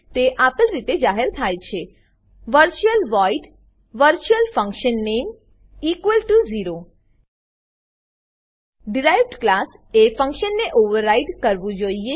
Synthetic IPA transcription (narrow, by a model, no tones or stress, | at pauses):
t̪eʔapəlɾit̪ed͡ʒaɦeɾt̪ʰajt͡ʃʰe | ʋəɾt͡ʃuəlʋɔiɖ | ʋəɾt͡ʃuəlfə̃ŋkʃənːem | ikʋəlʈuziɾo | ɖiɾajʋɖklasefə̃ŋkʃənːeʔoʋəɾːajɖkəɾʋũd͡ʒoie